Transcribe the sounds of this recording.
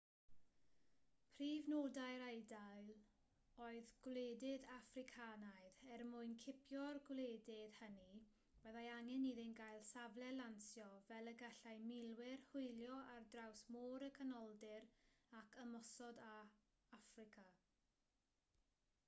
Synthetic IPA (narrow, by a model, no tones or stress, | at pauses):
pʰriːvnoːdajɾejdajlˠ | oːɨðɡ̥wleːdɪðafrɪkʰanajðɛrmʊɨnkʰɪpʰjɔrɡwleːdɪðhəni | b̥ɛðajaŋɛniðɪnɡajlˠsavlɛlansjɔvɛlˠəɡaɬajmɪlˠwɪrhʊɨlˠjɔʔardrawsmoːɾəkʰənɔlˠdɪɾakʰəmɔsɔda | afrɪkʰa